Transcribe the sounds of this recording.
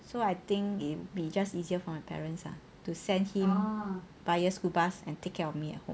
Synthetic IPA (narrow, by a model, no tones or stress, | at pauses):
soajt̪ɪ̃ŋkit̚wubid͡ʒastiziəfɔmajpʰɛ̰ɹə̃nsa̰ | tusɛ̃nhĩm | b̥ajjəskulbasɛ̰̃ntekʰːɛɹɔfmiɛ̰t̚hõ̰m